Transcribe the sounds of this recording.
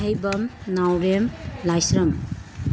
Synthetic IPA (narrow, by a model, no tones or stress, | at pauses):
ɦɐjbɐmnawɾemlajsɾɐm